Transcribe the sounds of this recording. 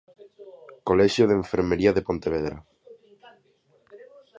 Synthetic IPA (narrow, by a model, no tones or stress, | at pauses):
koleʃjoðeɱfeɾmeɾiaðepõnt̪eβ̞eðɾa